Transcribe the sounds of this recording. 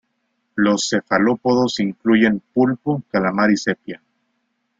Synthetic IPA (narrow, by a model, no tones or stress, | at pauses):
lo̞sːe̞falo̞poðosiŋkluʝe̞mpulpukalamaɾise̞pja